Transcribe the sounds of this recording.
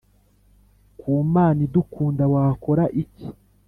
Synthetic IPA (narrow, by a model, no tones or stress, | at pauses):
kʰuːmaːnidukʰuːndawako̞ɾaʔici